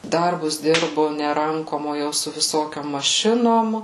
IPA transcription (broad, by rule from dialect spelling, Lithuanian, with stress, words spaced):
ˈdɐrbʊs ˈdʲɪrbʊ nʲɛ ˈrɐŋkoːm oː ˈjɛʊ sʊ ʋʲɪˈsoːkʲoːm mɐˈʃʲɪnoːm